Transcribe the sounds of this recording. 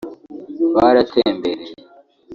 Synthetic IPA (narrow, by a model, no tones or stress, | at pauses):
βaɾatʰeːmbeɾe